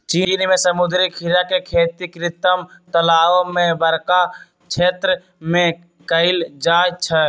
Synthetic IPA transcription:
t͡ʃiːnmẽsəmʊd̪ɾikʰiɾakekʰeːt̪ikɾɪt̪əmt̪əlaːʋomẽbəɾka | t͡ʃʰeːt̪ɾə | mẽ | kəɪld͡ʒaːt͡ʃʰə

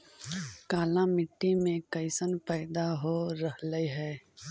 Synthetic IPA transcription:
kaːlãmɪʈːimẽkəɪsənpɛːd̪aɦoɾəɦləiɦɛː

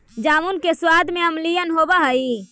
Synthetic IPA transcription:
d͡ʒaːmunkeswad̪ʱmeəmlijənɦobəɦəi

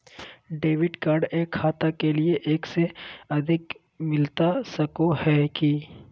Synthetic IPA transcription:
ɖeːʋɪɖkaːɾɖeːkʰːaːt̪akelieʔeːkseɐd̪ʱɪk | mɪlt̪asɐkohɛːki

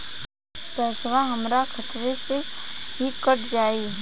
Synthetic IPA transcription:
pɛːsʋaɦəmɾakʰət̪ʋeseɦikəʈʰd͡ʒaːiː

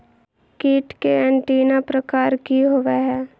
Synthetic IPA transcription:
kiːʈkeɛ̃ɳʈiːnapɾɐkaːɾkiɦʊʋeɦɛː

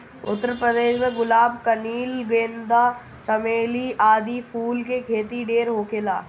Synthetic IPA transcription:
ʊ̰t̪ːəɾpɾəd̪eːʃmẽɡʊlaːb̚kəniːlɡẽːnd̪a | t͡ʃɐmeːliʔaːd̪ipʰuːlkekʰeːt̪iɖeːɾɦoːkʰelaː

